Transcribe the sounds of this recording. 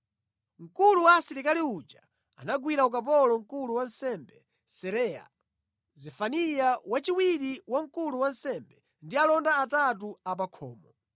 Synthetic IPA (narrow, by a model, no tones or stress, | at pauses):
ŋ̩kuluwasiɾikaliut͡ʃa | anaɡwiɾauk̬ap̬ɔlɔŋ̩kuluwansɛmbɛ | sɛɾɛa̰ | zɛfanijawat͡ʃiwiɾiwaŋ̩kuluwan̩sɛmbɛ | ndialɔndaːtat̬uap̬akʰɔ̰ːmɔ